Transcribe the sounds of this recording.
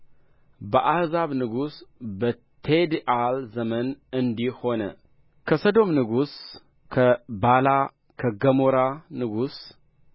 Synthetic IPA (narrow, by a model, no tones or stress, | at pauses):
bəʔahzaβnɨɡusbɐ | t̪ʰed̪iʔalzɐmɐnɨnd̪iho̞nɐ̰ | kʰɐsɐd̪o̞mnɨɡus | kʰɐbala | kʰɐɡɐmoɾanɨɡus